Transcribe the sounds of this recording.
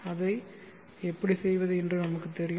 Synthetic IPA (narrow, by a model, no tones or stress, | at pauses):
ɐðɐɪ | ɛpːɐɽisɛjʋɐðɯɛndrɯnɐmɐkːɯt̪ɛɾɪj